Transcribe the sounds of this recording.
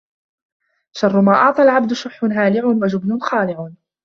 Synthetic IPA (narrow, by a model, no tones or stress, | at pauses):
ʃɑrˤːʊmaːʔɑʕt̪ˤɑlʕab̚d̪ʊʃʊħːʊnɦaːlɪʕʊnwad͡ʒʊbnʊnxaːlɪʕʊn